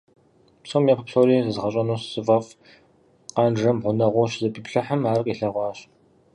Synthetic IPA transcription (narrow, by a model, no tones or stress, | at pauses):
psomjɛppɬoɾiːzɨzʁɐɕʼɐnuːssɨvɐf | qɑnʐɐmʁʷʊnɐʁʷʊɕzɐpʼiːpɬɐħəmaːrqʼiːɬɐʁʷɑːɕ